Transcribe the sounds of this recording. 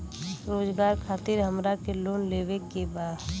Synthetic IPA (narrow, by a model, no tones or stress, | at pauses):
ɾoːzɡaːɾkʰaːt̪ɪɾɦəmɾakeloːnleːwekebaːd̪